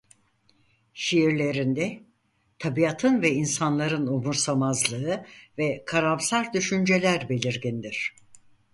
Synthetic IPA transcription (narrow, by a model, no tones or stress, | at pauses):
ʃijiɾlʲe̞ɾind̪ɛ | t̪ʰabiat̪ʰɯnvɛinsanlˠaɾɯnumuɾsamazlˠɯɯvɛkʰaɾamsaɾd̪yʃynd͡ʒe̞lʲæɾbe̞lʲiɾɟind̪iɾ̥